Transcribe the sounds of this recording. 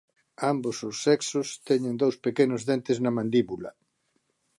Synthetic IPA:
ambosʊsːɛksʊst̪ɛɲẽnd̪owspekenʊzðent̪eznɐmãnd̪iβulɐ̰

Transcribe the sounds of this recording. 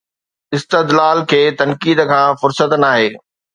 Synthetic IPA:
ɪst̪ɪd̪laːlkʰeːt̪ɐnkiːd̪kʰãːfʊɾsət̪naːɦeː

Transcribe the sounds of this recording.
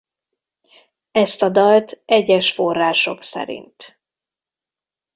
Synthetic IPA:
ɛst̪ɒd̪ɒlt̪ɛɟːɛʃfo̞rːaːʃo̞ksɛ̰ɾḭnt̪

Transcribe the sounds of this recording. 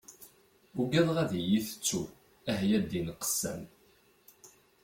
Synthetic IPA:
uɡæðˤʁæðijiθə̥t͡sːu | æɦjæd̪inqə̥sːæ̰m

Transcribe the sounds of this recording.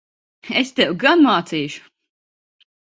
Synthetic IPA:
est̪ɛwɡanmaːt̪siːʃu̥

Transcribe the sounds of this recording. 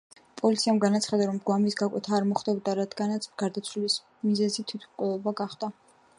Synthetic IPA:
pʼɔlit̪sʰiamɡanat̪sʰχad̪aɾɔmɡwamisɡakʼɛt̪ʰaːɾmɔχd̪ɛbd̪aɾad̪ɡanat̪sʰɡ̥aɾd̪at̪sʰwilis | mizɛzit̪ʰit̪ʰmkʼwɛlˠɔbaɡaχd̪a

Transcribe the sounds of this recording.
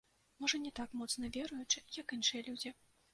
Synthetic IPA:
mɔʐɐnʲɛt̪akmɔt̪snɐvʲɛɾujut͡ʂɨjɐkinʂɨjɐlʲud͡zʲi

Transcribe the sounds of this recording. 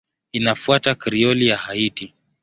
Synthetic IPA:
inafuatakɾiɔlijahaiti

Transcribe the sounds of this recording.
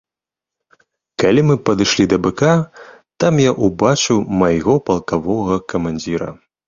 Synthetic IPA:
kalʲimɨpɐd̪ɨʂlʲid̪ɐbɛkat̪amjaʔubat͡ʂɨwmajɣɔpɐlˠkavɔɣɐkɐmanʲd͡zʲiɾɐ̰

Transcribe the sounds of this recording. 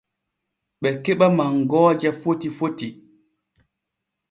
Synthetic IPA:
ɓɛkɛɓamaŋɡɔːd͡ʒafotifoti

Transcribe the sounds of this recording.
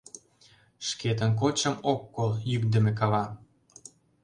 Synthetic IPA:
ʃket̪̬ənk̬ot͡ɕə̆mokːoljykd̪ə̆mekɑβɑ

